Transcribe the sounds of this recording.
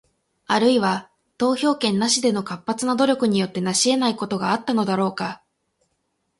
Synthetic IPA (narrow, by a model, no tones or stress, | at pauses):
aɾɯ̟iβa | t̪o̞ːço̞ːkẽ̞nːaɕid̪e̞no̞kapːat͡sɨnad̪o̞ɾʲo̞kɯ̟ɲ̟ijo̞t̪ːe̞naɕie̞naiko̞t̪o̞ɡaːt̪ːano̞d̪aɾo̞ːka